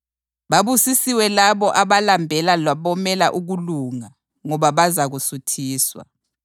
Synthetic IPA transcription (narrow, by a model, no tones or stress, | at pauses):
βaβusisiwɛlaβɔʔaβalambʱɛlalaβɔmɛlaʔuɣuluŋa | ŋɔβaβazaɣusutʰiːswa̰